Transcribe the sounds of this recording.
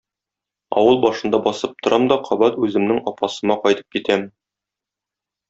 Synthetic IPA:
ɒ̰wɤlˠbɒʃɤ̆nd̪ɑbɒsɤp̚t̪ŏɾʔɑmd̪ɒqʰɒbɑt̪ʉzɘ̆mnɘŋɒpɑsɤ̆mɑqɒjt̪ɤ̥p̚kit̪æm

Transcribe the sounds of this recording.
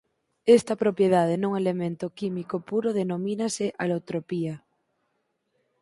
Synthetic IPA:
est̪ɐpɾopjeðað̞enuŋelemẽnt̪okimikopuɾoð̞enomĩnaseʔalot̪ɾopia

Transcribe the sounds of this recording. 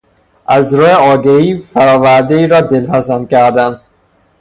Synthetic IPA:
ʔæzɾuːjeɒːɡeiːfæɾɒːvæɾd̪eiːɾɒːd̪elhæsænkʲæɾd̪æn

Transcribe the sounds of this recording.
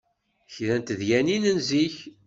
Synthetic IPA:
çðænt̪ðjæninənziç

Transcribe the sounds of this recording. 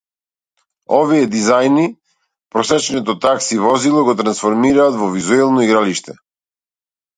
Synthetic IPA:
ɔviɛd̪izajni | pɾɔsɛt͡ʃnɛt̪ɔt̪aksivɔzilˠɔɡɔt̪ɾansfɔɾmiɾaːt̪vɔvizuɛlˠnɔiɡɾaliʃt̪ɛ

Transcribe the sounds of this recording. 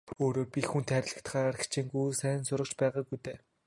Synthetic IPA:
oːɾoːpʲixunt̪χæːɾʲɪ̆ɮə̆kt̪χaːɾə̆kt͡ɕʰiːŋɡujsæːɪ̆nsʊɾə̆t͡ɕpæːʁaːɡujt̪eː

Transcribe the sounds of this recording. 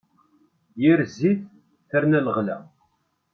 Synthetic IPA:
jiɾziθ | θəɾnæləʁlæ̰

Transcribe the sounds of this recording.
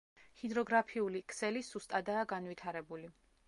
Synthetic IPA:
hid̪ɾɔɡɾapʰiulikʰsɛlisust̪ʼad̪aːɡanvwit̪ʰaɾɛbuli

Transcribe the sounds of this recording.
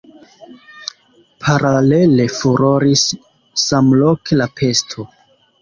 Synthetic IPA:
pʰaɾale̞le̞fuɾoɾisː | amlokelapʰe̞stʰo

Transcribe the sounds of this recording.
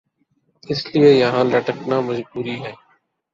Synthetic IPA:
ɪslieːjəɦãːləʈəknãːməzbuːɾiːɦɛː

